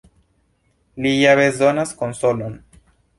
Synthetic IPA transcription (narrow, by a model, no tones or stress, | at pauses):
lijaβezðonaskonsolon